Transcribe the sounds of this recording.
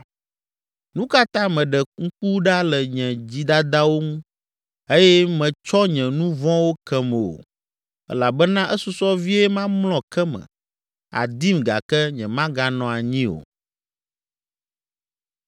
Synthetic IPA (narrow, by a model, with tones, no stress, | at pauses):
nũ˦ka˦t̪ã˦mɛ̃˨ɖɛ˨ŋ̩˦k͡pu˦ɖa˦lɛ˨ɲɛ̃˨d͡ʑi˦d̪a˦d̪a˦wo˦ŋũ˦ | e˦jɛ˦mɛ̃˨t͡ʃɔ˦ɲɛ̃˨nũ˦vɔ̃˦wo˦kɛ˦mɛ˨o̰˨ | ɛ̰˦la˨bɛ˦nã˦ʔɛ˦su˦sɔ˦vi˦ɛ˦mã˦mlɔ̃˨kɛ˦mɛ̰̃˨ | a̰˨d̪i˦mɡa̰˨kɛ˦ɲɛ̃˨mã˦ɡa˨nɔ̃˨a˨ɲĩ˦o̰˨